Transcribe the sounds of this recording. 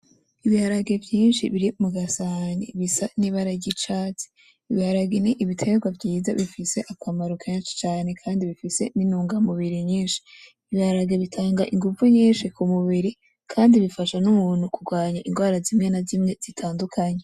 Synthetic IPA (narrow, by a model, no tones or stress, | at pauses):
iβihaɾaɡe̞vjiːnʃḭβiɾimuɡasaɲḭβisaniβaɾaɟit͡ʃaːt͡si̥ | iβihaɾaɡeniʔːβitʰe̞ɡwavjiːzaβifise̞ʔakwamaɾukʰenʃi̥t͡ʃaːne̞kʰaːndiβifise̞ninuːŋɡamuβiɾiɲiːnʃi̥ | iβihaɾaɡeβitʰaːŋɡaʔiŋɡuvuɲiːnʃikumuβiɾi | kʰaːndiβifaʃanumuːn̥hukuɡwaːɲaʔinɡwaːɾazimŋeːnazimŋe̞z̥itʰaːndukʰaɲe